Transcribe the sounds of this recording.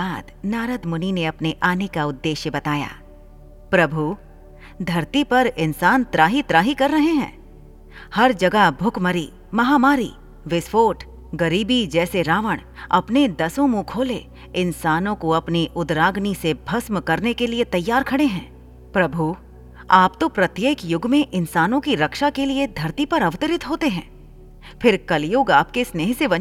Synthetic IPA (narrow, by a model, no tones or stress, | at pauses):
aːd̪naːɾəd̪mʊnineɐpneʔaːnekaʊd̪ːeːʃjəbɐt̪aːja̰ː | pɾɐbʱu | d̪ʱɐɾt̪ipɐɾɪnsaːnt̪ɾaːɦit̪ɾaːɦikɐɾːɐɦeɦɛ̰̃ː | hɐɾd͡ʒɐɡəɦbʱʊkmɐɾi | mɐɦaːmaːɾi | ʋɪsfoːʈ | ɡɐɾiːbid͡ʒɛːseɾaːʋəɽ̃ɐ̰pned̪ɐsõmũkʰoːle | ɪnsaːnõkoɐpniʔʊd̪ɾaːɡnisebʱɐsmkɐɾnekeliet̪ɐjːaːɾkʰɐɽeɦɛ̃ː | pɾɐbʱu | aːpt̪opɾɐt̪jeːkjʊɡmẽʔɪnsaːnõkiɾɐkʃakelied̪ʱɐɾt̪ipɐɾɐʋt̪əɾɪt̪ɦoːt̪eɦɛ̰̃ː | fʰɪɾkɐljʊːɡaːp̚kesneːɦsebɐ